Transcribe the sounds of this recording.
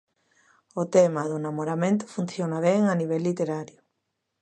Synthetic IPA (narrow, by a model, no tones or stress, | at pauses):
ʊt̪emaðʊnamoɾamẽnt̪ʊ̥funθjonaβ̞eŋaniβ̞ɛlːit̪eɾaɾjʊ